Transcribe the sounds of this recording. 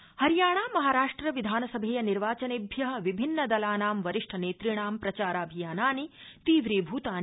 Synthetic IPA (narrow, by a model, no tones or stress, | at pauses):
hɐɾijaːɳaːmɐɦaːɾaːʂʈɾɐʋid̪ʱaːnɐsɐbʱeːjɐniɾʋaːt͡ʃɐneːbʱjɐɦɐ̆ʋibʱinːɐd̪ɐlaːnaːmʋɐɾiʂʈʰɐneːt̪ɾiɳaːmpɾɐt͡ʃaːɾaːbʱijaːnaːnit̪iːʋɾiːbʱuːt̪aːn